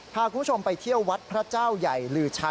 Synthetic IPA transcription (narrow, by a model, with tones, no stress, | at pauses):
pʰaː˧kʰuː˧npʰt͡ɕʰo˧mpa˧jt̪ʰi˥˩əwːa˦˥t̪̚pʰɾa˦˥t͡ɕaː˥˩wja˨˩jɾɯː˧˩t͡ɕʰa˦˥